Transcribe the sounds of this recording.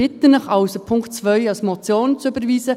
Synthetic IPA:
ɪt̪ənɑχaʊsopʰʊŋktt͡svœʏɑlsmɔt͡sjoːnt͡suybəɾviːsə

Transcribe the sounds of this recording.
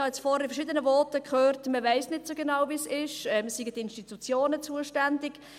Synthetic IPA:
ɑjɛt͡sfɔːɾifəɾʃɪd̪ənəvɔːtəkχøːrtməvæɪsnɪtsoɡenɑwvisɪʃɛmsiɡətɪnʃtitut͡sjoːnət͡suəʃtændɪɡ

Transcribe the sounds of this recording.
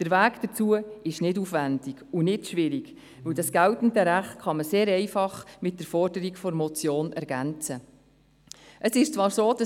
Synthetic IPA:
d̥əɾvæːkd̥ət͡suəɪʃnɪdufvændɪɡunɪdʃʋɪɾiɡ | ʋɵwdɑsɡ̥æltn̩dəɾæχtkɑməseːɾɛɪfɑχmɪt̚d̥əɾfɔrdəɾikfɔɾmɔt͡sjoːnɛɾɡænt͡sə | ʔəsɪʃt͡sʋɑːɾsoːdɑ

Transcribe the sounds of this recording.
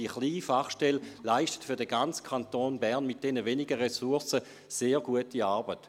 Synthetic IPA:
d̥iəχliːfaχʃtɛllaɪʃtə̥tfʏɐdəɡant͡skʰantoːnbɛɐnmit̚d̥enəveniɡəʁesuɐsə | seːɐʁɡuətiaɐbət

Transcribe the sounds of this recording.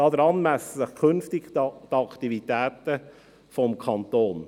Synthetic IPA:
ɑːd̪əɾɑnmæsəzəkʰʏnftɪɡtɑkt̪ivit̪æːtə | fɔmkʰɑnt̪oːn

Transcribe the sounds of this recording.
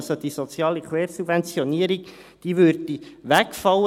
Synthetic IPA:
sod̥̪isɔt͡sjɑːlikweːɾsubvɛnt͡siɔniːəɾik | d̥iːʋøɾd̥iʋækfɑlə

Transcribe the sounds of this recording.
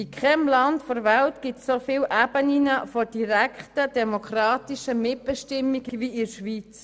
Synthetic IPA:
ikʰχɛmlɑntfɔɾvæltɡ̥ɪtssofɪːlʔæb̥əninəfɔd̥iɾækχtədɛmokχrɑːtiʃəmɪt̚b̥ɛʃtɪmːiɡ̥əviɪɾʃʋit͡s

